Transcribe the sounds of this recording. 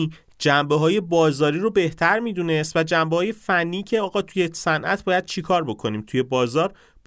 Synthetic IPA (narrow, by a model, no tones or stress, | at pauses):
d͡ʒæmbeɦɒːje̞bɒːzɒːɾiːɾobe̞ht̪ʰæɾmiːd̪une̞st̪væd͡ʒæmbehɒːje̞fænːiːcʰe̞ɒːɣɒːt̪ʰujesænʔæ̰t̪̚ʰbɒːjæd̪̥̚t͡ʃʰikʰɒːɾbo̞kʰo̞niːmt̪ʰuje̞bɒːzɒːɾ | b